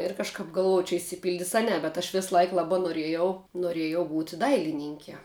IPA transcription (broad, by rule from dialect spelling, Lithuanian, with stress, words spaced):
ɪr kɐʃˈkɐp ɡɐlˠˈʋoːj t͡ʃʲɛ ɪʃʲsʲɪˈpʲɪlʲdʲɪs ɐ ˈnʲɛ bʲɛt ɐʃ ʋʲɪsˈlˠɐɪk ˈlˠɑːbɑː noːrʲˈiɛjɛʊ noːˈrʲeːjɛʊ ˈbuːtʲɪ ˈdɐɪlʲɪnʲɪŋʲkʲiɛ